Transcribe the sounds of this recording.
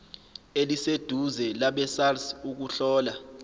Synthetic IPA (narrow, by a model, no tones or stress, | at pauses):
elised̥ʱuzɛlaɓɛsarsuk̬uɬɔːla